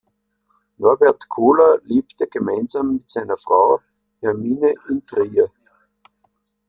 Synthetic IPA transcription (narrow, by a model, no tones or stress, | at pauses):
nɔɐbɛɐtkʰoːlɐleːptəɡ̥əmaɪnzamːɪtsaɪnɐfʁ̥aʊ | hɛɐmiːnəʔɪntʁiːə